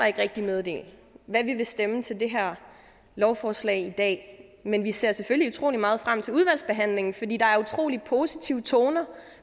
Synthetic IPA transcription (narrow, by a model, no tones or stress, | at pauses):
ɑe̝ɡ̥ʁɛɡ̥̚d̥imeð̞ˠd̥e̝̰ːlʋæʋiʋe̝sd̥emət͡sʰe̝ld̥e̝ɦæɐ̰ | lɒʊfɒːslɛ̰ɪid̥ɛ̰ːmenʋise̝ːɐ̰seføliut͡sʰʁo̝̰ːlimɑ̈ːð̞̩ˠfʁam̰t͡sʰe̝uð̞ˠʋæl̰sb̥e̝ɦæn̰le̝ŋn̩fɒd̥ḭːd̥ɑ̈æɐut͡sʰʁo̝̰ːlipʰo̝ːsit͡sʰiʊ̰t͡sʰoːnɐ